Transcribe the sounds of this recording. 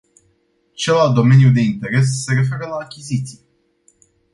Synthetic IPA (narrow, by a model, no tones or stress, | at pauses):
t͡ʃelald̪o̞me̞njud̪e̞int̪e̞ɾe̞s̬ːe̞ɾe̞fe̞ɾəlaːkʲizit̪sije